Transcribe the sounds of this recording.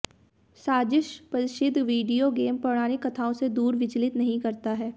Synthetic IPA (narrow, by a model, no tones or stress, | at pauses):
saːd͡ʒɪʃpɐɾɪʃɪd̪ʱːʋiːɖijoɡeːmpɾɐɽ̃aːnɪkːɐt̪ʰaːõsed̪uːɾʋɪt͡ʃəlɪt̪nɐɦĩkɐɾt̪aɦɛː